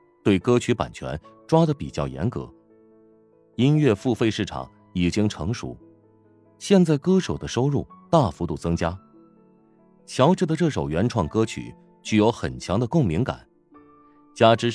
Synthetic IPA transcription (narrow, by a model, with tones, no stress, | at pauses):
t̪we˥˩ɪkɤ˥t͡ɕʰy˧˥pa̰˨˩nt͡ɕʰɥɛ̰˧˥nʈ͡ʂwa˥d̪ə˨pi˨˩t͡ɕjɑ˥˩ʊjɛ̰˧˥nkɤ̰˧˥ | i˥nɥɛ˥˧fu˥˧fe˥˧ɪʂɻ̩˥˩ʈ͡ʂʰɑ̰˨˩˦ŋ | i˨˩t͡ɕi˥ŋʈ͡ʂʰɤ˧˥ŋʂṵ˧˥˦ | ɕjɛ˥˧nt͡sa˥˩ɪkɤ˥ʂo˨˩ʊd̪ə˦ʂo˥ʊɻu˥˩t̪a˥˩fu˧˥t̪u˥˩t͡sɤ˥ŋt͡ɕja˥ | t͡ɕʰjɑ˧˥ʊʈ͡ʂɻ̩˥˩d̪ə˧ʈ͡ʂɤ˥˩ʂo˨˩ʊɥɛ˧˥nʈ͡ʂʰwɑ˥˩ŋkɤ˥t͡ɕʰy̰˨˩˦ | t͡ɕy˥˩jo˧˥ʊxə̰˨˩nt͡ɕʰjɑ˧˥ŋd̪ə˧kʊ˥˩ŋmi˧˥ŋka̰˨˩˦n | t͡ɕja˥ʈ͡ʂɻ̩˥